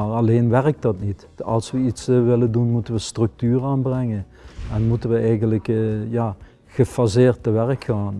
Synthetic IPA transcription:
arɑleːnʋɛrək̚tdɑtnit | ɑ̰lˠsʋəitsʋɪləndunmutənʋəstrɵk̚tyːraːnbrɛŋən | ɛnmutənʋəɛjɣənləkjaː | xəfazɪːrtəʋɛrəkxaːn

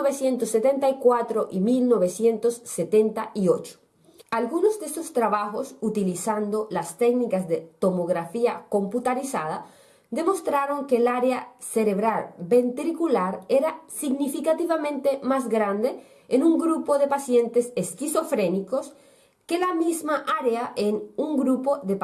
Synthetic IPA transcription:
oβesje̞nt̪osːet̪ent̪aikwat̪ɾoʔimilno̞βesje̞nt̪osːet̪ent̪aʔiot͡ʃo̥ | alɣunozd̪esost̪ɾaβaxosut̪ilisand̪olast̪eknikazðet̪o̞moɣɾafiako̞mput̪aɾisa̰ða | d̪emo̞st̪ɾaɾo̞ŋkelaɾeaseɾeβɾaɾbent̪ɾikulaɾeɾasiɡnifikat̪iβamẽ̞nt̪emazɡɾand̪e | enuŋɡɾupoðepasje̞nt̪eseskiso̞fɾenikos | kelamizmaʔaɾeaʔenuŋɡɾupoðep

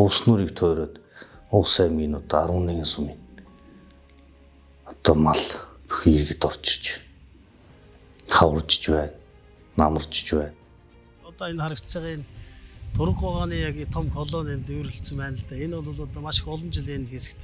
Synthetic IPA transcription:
ʊːsnuːɾiːkt̪ʰœːɾoːt̪ʊːsæːminʊt̪aɾʊ̆ːniːɣinsumin | ɔt̪ɔːmaɮpu̥xiirɣɘ̆t̪ɔr̥t͡ɕɪ̥̆t͡ɕ | χawə̆rt͡ɕɪ̥̆t͡ɕpæːnː | amə̆rt͡ɕ̆t͡ɕpæːn | ɔt̪ɔenχaɾə̆kt͡səʁiːnt̪ʰʊɾə̆ɣʊʁaːniːjaɣiːt̪ʰɔmxʰɔɮɔːnent̪ewɾɘ̆ɬt͡sə̆mpæːnə̆ɮt̪æːenʊɮʊɮɔt̪ɔːmaʃɪ̥̆kʊɮɞ̆nt͡ɕɪɮinxesɘ̆kt̪ʰe̥

